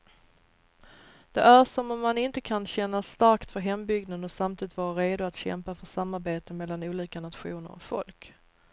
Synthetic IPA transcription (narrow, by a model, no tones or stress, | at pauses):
d̪̥ɛʔæɾʂɔmɔmːanɪnt̪əkʰanɕɛnːast̪aɾkt̪fœɾɦɛmbʏɡnad̪ɔsamt̪iːd̪ɪt̪vɑːɾaɾeːd̪ʊat̪ɕɛ̰mpafœʂamːaɾbeːt̪əmɛlːanuːliːkanat̪ɧuːnə̰ɾɔ̰kfɔ̰lk